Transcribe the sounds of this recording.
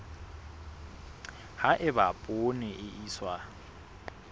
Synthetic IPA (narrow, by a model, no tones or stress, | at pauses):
haʔɪbapʼʊnɪʔɪʔiːswa